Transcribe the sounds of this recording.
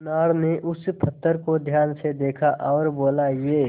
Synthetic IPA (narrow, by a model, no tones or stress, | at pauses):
naːɾneʔʊspʰət̪ːəɾkod̪ʱjaːnsed̪eːkʰaʔɔːɾboːlajeː